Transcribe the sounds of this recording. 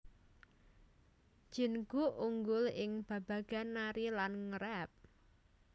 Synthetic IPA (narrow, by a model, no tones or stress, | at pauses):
ʒ̥i̤nɡ̥uʔuŋɡʊlɪŋb̥a̤b̥a̤ɡ̥a̤naɾilanŋəɾɛp̚